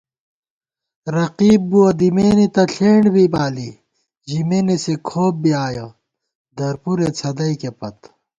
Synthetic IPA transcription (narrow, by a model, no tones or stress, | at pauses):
ɾɐqiːb̚ːuɐd̪imeːnit̪ɐɬʰeːɳbibaːli | ʑimenesekʰoːb̚biaːjɐ | d̪ɐɾpuɾet͡sʰɐd̪ɐikepɐt̪